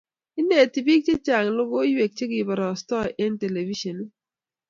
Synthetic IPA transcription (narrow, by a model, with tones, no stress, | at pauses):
ɪ˦ne˨ti˨bi˦k̚t͡ʃe˦t͡ʃa˨ŋ˨lʊ˦ɡo˦jwe˨k̚t͡ʃe˦ɡɪ˨bɔ˨ɾɔ˨stɔ˦ʔɛ˦nte˨le˨vi˦ʃɔ˨n˦